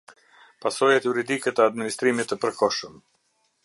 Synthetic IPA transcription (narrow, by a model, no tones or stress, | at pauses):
pasɔjat̪juɾid̪ikɛt̪əad̪minist̪ɾimit̪ːəpəɾkɔʃəm